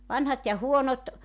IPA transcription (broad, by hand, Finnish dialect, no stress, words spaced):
ʋɑnhɑt jɑ huonot